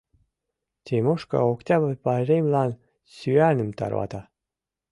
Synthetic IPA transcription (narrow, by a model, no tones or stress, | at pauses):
t̪ʲemoʃkɑ̰oktʲɑbəpɑrʲemlɑn | syænɘ̆mt̪ɑ̰rwɑ̰t̪ɑ